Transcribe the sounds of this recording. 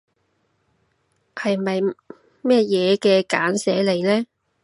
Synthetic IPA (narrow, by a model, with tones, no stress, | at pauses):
hɐ˨jmɐ˨j | mɛː˥jɛː˨˧kɛː˧kaː˨˥nsɛː˨˥le˨jlɛː˥